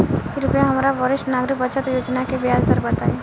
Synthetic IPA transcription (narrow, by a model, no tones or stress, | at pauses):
kiɾʊpəjaɦɐmɾaʋɔɾɪʃʈnaːɡɾɪkbɐt͡ʃət̪joːd͡ʒnakeʋɪjaːzd̪əɾbɐt̪aːe